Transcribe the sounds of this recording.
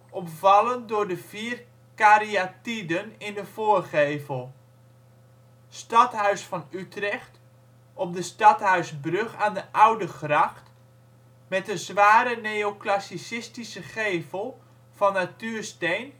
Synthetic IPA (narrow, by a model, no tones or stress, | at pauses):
ʔɔpvɑlˠəndʊrdəv̥iːr | kaɾiatidənɪndəfoːərχeːvəlˠ | stɑtɦœɥsfɑnytrɛxt | ʔɔp̚dəstɑthœɥsbrøxaːndəʔawdəxrɑxt | mɛtəzʋaːɾəneoklasisɪstisəχeːvəlˠ | fɔnːatyːrstejn